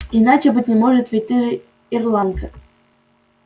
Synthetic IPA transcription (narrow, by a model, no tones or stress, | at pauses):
inat͡ɕɪbɨtʲnʲɪmoʐɨt̪vʲitʲːɨʐ | irlˠɑnkə